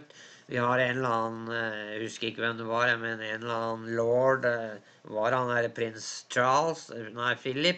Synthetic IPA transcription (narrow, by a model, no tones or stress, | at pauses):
ʈʋɪhɑɾenlɑːənhʉskəɾɪkːəʋɛmd̪ɛʋɑɾmɛnenlɑːənlɔɖ | ʋɑɾhɑnæɾpʰɾɪnst͡ʃʰɑlsnæɪfɪlːɪpː